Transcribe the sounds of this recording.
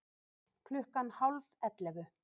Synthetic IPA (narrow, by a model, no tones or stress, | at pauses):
kʰlʏhkanhawlvɛt̪lɛvʏ